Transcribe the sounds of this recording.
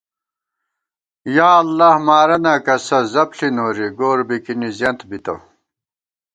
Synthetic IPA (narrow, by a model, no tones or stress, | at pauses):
jaːlːahmaːɾɐnakɐsɐzɐpɬinoːɾiɡoːɾbikinizjɐnt̪bit̪ɐ̰